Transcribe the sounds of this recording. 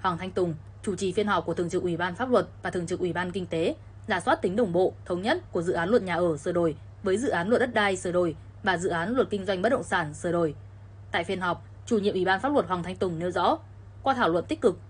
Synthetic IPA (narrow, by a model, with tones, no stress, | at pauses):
hwaː˨˩ŋt̪ʰjŋ̟t̪ʊ˨˩ŋ͡m | t͡ɕu˧˩t͡ɕi˨˩fi˧ənhɦɔ˨˩p̚ku˧˩ət̪ɨ˨˩əŋt͡ɕɨ˨˩k̚ʔwi˧˩ɓaː˧nfaː˦˥p̚lwə˨˩t̚vaː˨˩t̪ʰɨ˨˩əŋt͡ɕɨ˨˩kʔwi˧˩ɓaː˧nki˧ŋ̟t̪e˨˦ | zaː˧˩swaː˦˥t̚t̪ï˨˦ɗə˨˩wŋ͡mɓo̰˧˨t̪ʰə˨˦wŋ͡mɲə˦˥t̚ku˧˩əzɨ̰˧˨aː˨˦nlwə˧˩t̚ɲaː˨˩ʔəː˧˩sɨ˧˩ɗo˨˩j | vəː˨˦jzɨ̰˧˨ʔaː˨˦nlt̚ɗə˦˥t̚ɗaː˧jsəː˧˩ɗo˧˩j | vaː˨˩zɨ̰˧˨ʔaː˨˦nlwə˨˩t̚kï˧ŋzwa˧jŋ̟ɓ̚ɗə̰˧˨ŋ͡msaː˧˩nsəː˧˩ɗo˨˧˩j | t̪a̰ː˧˨jfi˧ənɦɔ˨˩wk͡p̚ | t͡ɕu˧˩ɲḭ˧əʔwi˧˩ɓaː˧nfa˦˥lwə˨˩t̚hwaː˨˩ŋt̪ʰa˧jŋt̪ʊ˨˩ŋ͡mne˨˦wzɔ̰˧˥ | kwa˧t̪ʰaː˧˩wlə̰˧˨nt̪ï˦˥k̟̚kɨ˨˩k̚